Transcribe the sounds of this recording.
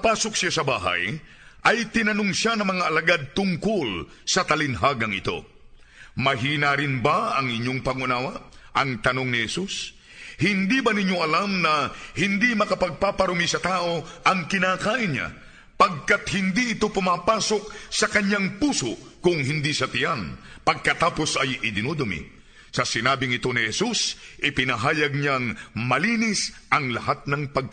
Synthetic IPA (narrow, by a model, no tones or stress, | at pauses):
paːsoksjasɐba̰ːɦɐ̰j | ʔɐjt̪ɪnɐnoŋʃanɐŋmɐŋaʔɐlaɡad̪̚t̪ʊŋkʊl | sɐt̪ɐlɪnɦaɡɐŋɪ̰t̪o̞̰ | mɐɦiːnaɾɪnbaɐŋʔɪɲjoŋpɐɡunaːwɐ | ʔɐŋt̪ɐnoŋnɪhɛsus | hɪnd̪ibɐniɲːoʔɐlamnɐhɪnd̪imɐkɐpɐɡ̚papɐɾumisɐt̪aːʔo̞ʔɐŋkɪnakaːʔɪnɲa̰ | pɐɡ̚kat̪hɪnd̪iʔɪt̪o̞pʊmaːpaːsok̚sɐkɐɲjaŋpuːsokʊŋɦɪnd̪isɐt̪ɪjanpɐɡ̚kɐt̪aːpo̞sɐjɪd̪ɪnod̪omḭ | sɐsɪnaːbɪŋɪt̪o̞nihɛsusʔɪpɪnɐɦaːjɐɡ̚ɲaŋmɐliːnɪsʔɐŋlɐɦat̪̚nɐŋpɐɡ̚ka